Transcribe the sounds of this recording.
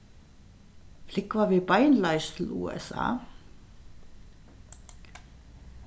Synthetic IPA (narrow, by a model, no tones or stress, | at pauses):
flɪkʋɑːʋiːbaɪnlɑɪst̪ʰl̩ṵːɛ̰sɑ̰ː